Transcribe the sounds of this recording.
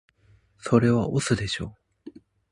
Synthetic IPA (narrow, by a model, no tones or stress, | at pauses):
so̞ɾe̞βaʔosɨd̪e̞ɕo̞ː